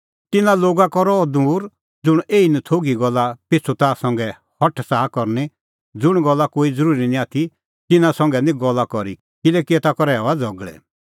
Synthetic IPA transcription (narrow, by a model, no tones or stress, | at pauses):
t̪ɪnãloːɡakɔɾɔd̪uːɾ | d͡zʊɽ̃eːinɛt̪ʰoɡiɡɔlːapɪt͡sʰut̪asɔ̃ŋɡɛ | hɔʈʰsaːkɔɾne | d͡zʊɽ̃ɡɔlːakoːid͡zəɾuːɾinĩaːt̪ʰi | t̪ɪnãsɔ̃ŋɡɛnĩɡɔlːakɔɾḭ | kɪlɛkiɛt̪akɔɾɛːɔad͡zɔɡɭɛ̰